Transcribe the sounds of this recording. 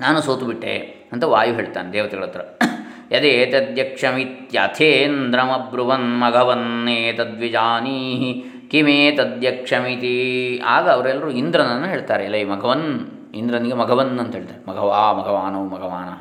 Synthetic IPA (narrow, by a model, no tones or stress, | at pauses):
naːnusoːt̪ubiʈːḛː | ɐnt̪ɐʋaːjuɦeːɭt̪aːned̪eːʋɐt̪eɡɭɐt̪ːɾɐjɐd̪eːt̪ɐd̪ʱjɐkʂɐmit̪jɐt̪ʰeːnd̪ɾɐmɐbɾuʋɐnmɐɡʱɐʋɐnːeːt̪ɐd̪ʋid͡ʒaːniːɦi | kimeːt̪ɐd̪ʱjɐkʂɐmit̪iaːɡɐːʋɐɾɐɛlːɐɾuind̪ɾɐnɐnːuɦeːɭt̪aːɾelːɐmɐɡʱɐʋɐn | ind̪ɾɐniɡemɐɡʱɐʋɐnːɐnt̪ɐɦeːɭt̪aːɾemɐɡʱɐʋaːmɐɡʱɐʋaːnɐʋmɐɡʱɐʋaːnɐ